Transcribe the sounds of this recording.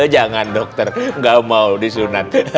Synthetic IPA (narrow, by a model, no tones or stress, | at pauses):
əd͡ʒaŋandɔk̚t̪ərŋɡamaudisunat̪̚